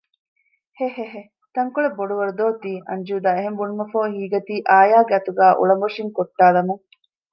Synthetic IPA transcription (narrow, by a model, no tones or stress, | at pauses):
heɦeɦe | t̪ɐŋkuɭeboɖuʋɐɾud̪oːt̪iːɐ̰ɲd͡ʒuːd̪aːeɦembunumɐfoːɦiːɡɐt̪iːʔaːjaːɡeɐt̪uɡæːʔṵɭɐmoʂiŋkoʈːaːlɐmu